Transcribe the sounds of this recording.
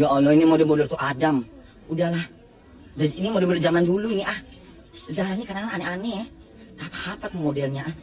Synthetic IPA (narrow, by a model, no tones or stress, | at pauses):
ɡaʔonɔinimodɛlmodɛlt̪uʔadam | udahlah | d͡ʒaiinimodɛlmolɛld͡ʒamanduluiniʔah | zalaɲakadaŋananɛʔanɛʔ | t̪apḁhapat̪modɛlɲaʔah